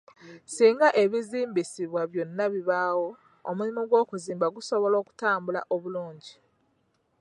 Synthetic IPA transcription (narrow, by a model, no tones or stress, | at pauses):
siːŋɡaʔe̞βiziːmbisiβwaβjonːaβiβaːwo̞ː | mulimoɡwo̞ːkuziːmbaɡuso̞βo̞lo̞ːku̥taːmbula̰ʔoβuluːɲɟi